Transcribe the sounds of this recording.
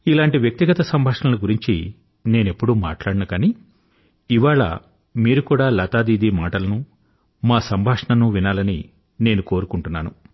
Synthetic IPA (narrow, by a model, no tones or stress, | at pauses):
ilaːɳʈiʋjɐk̚t̪iɡɐt̪ɐsɐmbʱaːʂɳɐlɐɡuɾiɲt͡ʃi | ne̞ːne̞pːuɽuːma̰ːʈlaːɽɐnukɐni | iʋaːɭɐ̰ | miːɾukuːɽaːlɐt̪aːd̪iːd̪iːmaːʈɐlɐnu | maːsɐmbʱaːʂɐɳɐnuʋinaːlɐni | ne̞ːnuko̞ːɾukuɳʈunːaːnu